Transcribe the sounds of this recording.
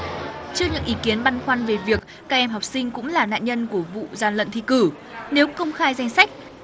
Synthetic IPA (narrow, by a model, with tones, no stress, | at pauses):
t͡ɕɨ˧əɲɨ̰˧˥ŋʔi˨˦ki˨˦ənɓa˧nxwa˧nve˨˩vi˨˩ək̚ːaː˧k̚ʔɛ˧mɦɔ˨˩wk͡p̚sï˧ŋ̟kʊ̰˧˥ŋ͡mlaː˨˩na̰ː˧˨nɲə˧nku˧˩əvṵ˧˨zaː˨˩nlə̰˧˨nt̪ḭ˧˨kɨ˧˩ | ne˨˦wkə˧wŋ͡mxaː˧jza˧jŋ̟sa˦˥jk̟̚